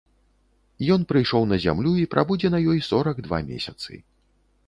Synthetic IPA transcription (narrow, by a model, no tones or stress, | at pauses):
jɔn̪pɾɨjʂɔwnɐzʲa̰mlʲuipɾʔabud͡zʲɛnɐjɔjsɔɾɐɡd̪va̰mʲḛsʲɐt̪sɨ̰